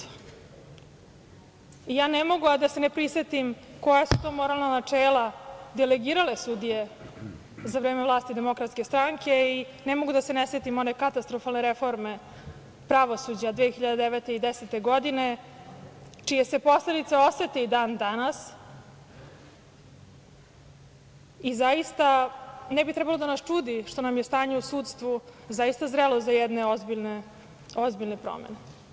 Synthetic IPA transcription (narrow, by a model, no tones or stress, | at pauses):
ijaːnemo̞ɡuad̪ase̞nepɾisʋet̪imko̞jasu̥t̪oːmo̞ɾalˠnanat͡ʂeːlad̪eleɡiːɾalesud̪ije̞ | zaʋɾeːmevlˠaːst̪id̪e̞mo̞kɾat̪skʲest̪ɾaŋkʰe̞i | nemo̞ɡud̪aseneset̪imo̞nekat̪ast̪ɾofalneɾefo̞ɾme̞ | pɾaʋo̞sud͡ʑad̪ʋeːxiʎad̪ed̪eʋet̪eid̪eset̪e̞ɡo̞d̪ine̞ | t͡ʃijese̞po̞sle̞d̪it̪seo̞sʋet̪eid̪aːnd̪anas | izaist̪anɛbit̪ɾɛbalˠod̪anast͡ʂuːd̪iʃt̪o̞namjest̪aːɲeusuːt̪st̪ʋuzajist̪azɾelˠozajɛd̪neozbiʎne | ozbiʎnepɾo̰mḛne